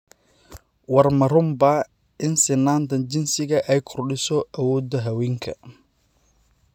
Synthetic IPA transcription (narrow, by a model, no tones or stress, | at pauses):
wɐrmɐɾʊmbɐ | ɪnsɪnːaːnt̪ʰɐnt͡ʃɪnsɪɣɐʔɛjkʰʊrɗɪsɔʔɐwɔːd̪ɐɦɐwiŋkʰɐ